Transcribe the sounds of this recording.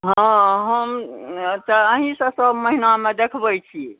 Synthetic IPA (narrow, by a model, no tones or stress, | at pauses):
ɦãɦəmt̪əəɦĩsə̃səbməɦinamed̪ekʰbəjt͡ʃʰi